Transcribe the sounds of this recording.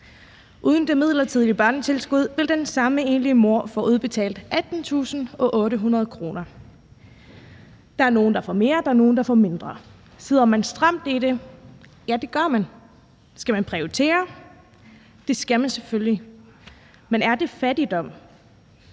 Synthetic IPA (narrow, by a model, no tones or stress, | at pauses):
ʔuːð̞ˠən̩d̥e̝mið̞̰ˠlɐt͡sʰiðˠlib̥ɶɐnt͡sʰe̝lsɡ̥uð̞̰ˠʋe̝ld̥ensɑ̈məe̝ːnliəmo̝ɐ̰fɒ̽ʔuð̞ˠb̥e̝t͡sʰɛ̰ːld̥ʔæd̥n̩t͡sʰṵːsn̩ɒ̽ʔɔ̽ːɾəɦunʁɐð̞̩ˠkʰʁo̝ːnɐ | d̥ɑ̈æɐno̝ːn̩d̥ɑ̈fɒme̝ːɐd̥ɑ̈æɐno̝ːn̩d̥ɑ̈fɒme̝nd̥ʁɐ | seð̞̰ˠɐmænsd̥ʁɑ̈m̰d̥iɾ̥e̝ | jæd̥e̝ɡ̥ɶɐmæn | sɡ̥æmænpʰʁioit͡sʰe̝̰ːɐ | d̥e̝sɡ̥æmænseføljli | menæɐd̥e̝fæd̥id̥ɒ̽m̰